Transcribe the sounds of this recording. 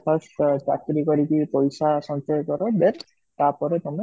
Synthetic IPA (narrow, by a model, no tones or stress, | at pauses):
kʰɔst̪t͡ʃa̰kɾikɔɾikipɔjsasɔnsejkɔɾɔbeɾ | t̪apɔɾet̪ɔme